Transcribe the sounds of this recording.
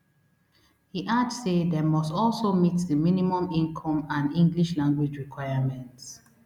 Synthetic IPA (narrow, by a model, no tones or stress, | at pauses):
hiʔadsedɛmɔstɔlsomitðəminimɔ̃mĩŋkʰɔ̃mãnĩŋɡliʃlãŋɡwid͡ʒɹikwaɪamɛ̃nts